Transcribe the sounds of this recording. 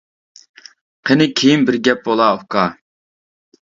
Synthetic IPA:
qʰənɪkʲʰejinbɪɾɡʲɛp̚bolˠɑukɑ

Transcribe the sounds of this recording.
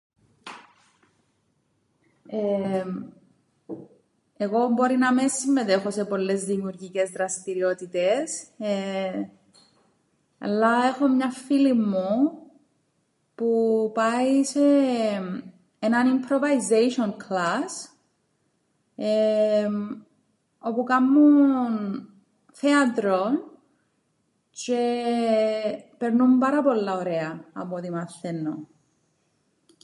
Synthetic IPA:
e | eɣo̞bo̞ɾinɐmesimːeðe̞xo̞se̞po̞lːe̞zðimiuɾʝice̞zðɾɐst̪iɾiot̪it̪es | ɐ̰lːɐe̞xo̞mɲɐfilimːu | pupɐise̞ | enɐnimpɾovɐizejʃionkʰlas | e | o̞pukamːun | θeɐt̪ɾon | ce | pe̞ɾnumbɐɾɐpo̞lːɐoɾeɐɐ̰pot̪imɐθːenːo

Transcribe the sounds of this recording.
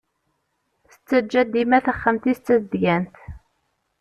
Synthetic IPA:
θə̥t͡sːəd͡ʒːæd̪imæθəχːəmt̪ist͡sːəd̪jænt̪

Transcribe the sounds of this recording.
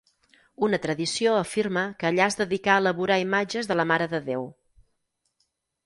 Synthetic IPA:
unət̪ɾəðisioəfirməkəːʎazðəðikaəːləβuɾaimad͡ʒəzðələmaɾəðəðew

